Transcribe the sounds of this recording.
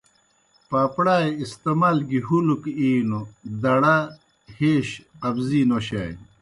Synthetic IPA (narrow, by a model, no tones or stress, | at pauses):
paːpɽaːjist̪emalɡiɦulukiːnod̪ɐɽa | heːɕqɐbziːnoɕa̰ːj